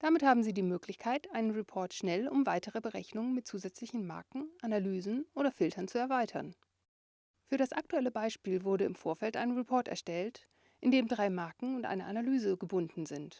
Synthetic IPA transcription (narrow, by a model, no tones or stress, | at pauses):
d̥amɪthaːbm̩ziːdiːmøːklɪçkʰaɪtʔaɪnənʁɛpʰɔɐtʃnɛlʊ̰mvaɪtəʁəbəʁɛçnʊŋənmɪt̚t͡suːzɛt͡slɪçn̩ma̰ɐkŋ̩ʔanalyːzn̩ʔoːɾɐfɪltʰɐnt͡suɛɐvaɪtʰɐ̰n | fyːɐɾasʔak̚tuɛləbaɪʃpiːlvʊɐɾəɪ̰mfoːɐfɛltʔa̰ɪnənʁɛpʰɔɐtɛ̰ɐʃtɛlt | ʔɪndeːmdʁaɪmaɐkŋ̩ʊntʔa̰ɪnəʔanalyːzəɡəbʊndn̩zɪnt